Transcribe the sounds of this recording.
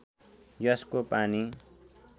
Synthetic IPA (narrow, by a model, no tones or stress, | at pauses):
jʌskopani